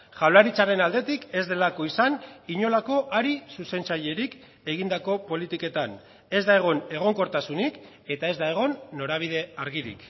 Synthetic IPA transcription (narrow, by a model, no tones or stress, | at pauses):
ʝawlaɾit͡saɾe̞nald̪e̞t̪ike̞zd̪e̞lako̞isaniɲo̞lako̞ʔaɾisuse̞nt͡saje̞ɾik | e̞ɣ̞ind̪ako̞po̞lit̪ike̞t̪an | e̞zd̪ae̞ɣ̞o̞ne̞ɣ̞o̞ŋko̞ɾt̪asunik | e̞t̪ae̞zd̪aeɣ̞o̞nːo̞ɾaβ̞iðe̞aɾɣiɾḭk